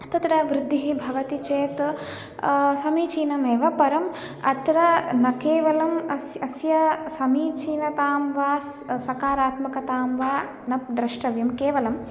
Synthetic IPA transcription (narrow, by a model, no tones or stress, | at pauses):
t̪ɐt̪ɾɐʋɾɪd̪ʱːiɦibʱɐʋɐt̪it͡ʃeːt̪ | sɐmiːt͡ʃiːnɐmeːʋɐpɐɾɐm | ɐ̰t̪ɾɐnɐkeːʋɐlɐmɐsɐsjɐsɐmiːt͡ʃiːnɐt̪aːmʋaːs | sɐkaːɾaːt̪mɐkɐt̪aːmʋaː | nɐp̚d̪ɾɐʃʈɐʋjɐmkeːʋɐlɐm